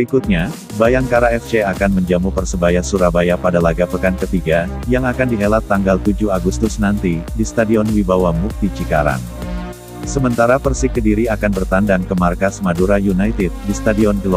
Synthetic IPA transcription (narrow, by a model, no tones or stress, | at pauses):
bəɾikut̪̚ɲa | bajaŋkaɾaɛft͡ʃeakanməɲd͡ʒamupərsəbajasuɾabajapadalaɡapəkankət̪iɡajaŋakandiɦelat̪ːaŋɡalt̪ud͡ʒuaɡust̪ʊsnant̪idist̪adiɔnwibawamuk̚t̪it͡ʃikaɾa̰n | səmənt̪aɾapərsɪkːədiɾiakanbərt̪andaŋkəmarkasmaduɾajunajt̪ɪt̪̚dist̪adiɔnɡəlɔ